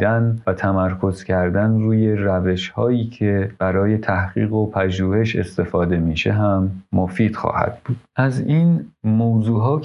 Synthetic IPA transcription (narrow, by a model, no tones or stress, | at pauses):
d̪ænvæt̪ʰæmæɾkʰo̞z̥cʰæɾd̪ænruːje̞ɾæve̞ʃhɒːjiːcʰe̞b̥æɾɒːje̞t̪ʰæhɢḭːɣo̞pʰæʒuːhe̞ʃe̞̰st̪e̞fɒːd̪e̞miːʃe̞ɦæmːo̞fiːd̪̥xɒ̰ːhæ̰d̪̥̚b̥uːd̪̥ʔæziːnmoːwzuːɦɒː